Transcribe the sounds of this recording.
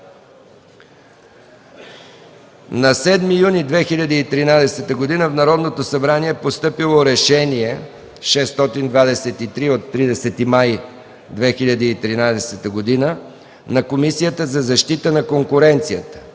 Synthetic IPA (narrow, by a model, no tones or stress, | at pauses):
nɐsɛd̪mijunid̪vɛxilʲɐd̪iːt̪ɾinad̪ɛsɛt̪əɡod̪inəfnɐɾɔd̪not̪osɐbɾaniɛpost̪ɤpilˠoɾɛʃɛniɛ | ʃɛst̪ɔt̪ind̪vad̪ɛsɛt̪it̪ɾiot̪ːɾid̪ɛsɛt̪imaj | d̪vɛxiʎʲɐd̪iːt̪ɾinad̪ɛsɛt̪əɡod̪inə | nɐkomisijət̪əzɐzɐʃt̪it̪ənɐkoŋkʊɾɛnt̪sijət̪ə̥